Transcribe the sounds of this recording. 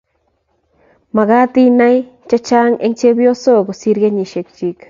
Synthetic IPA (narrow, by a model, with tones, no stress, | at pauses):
ma˨ɣa˦t̪i˦na˦jt͡ʃa˦t͡ʃa˦ŋe˦ŋt͡ʃe˦bjo˦so˦ɡo˨si˦ɾɡe˦ɲi˨ʃe˨k̚t͡ʃi˦k